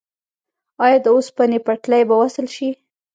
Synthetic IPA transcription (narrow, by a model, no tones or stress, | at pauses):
ɑjɑd̪əospanepaʈlajbawasəlʃi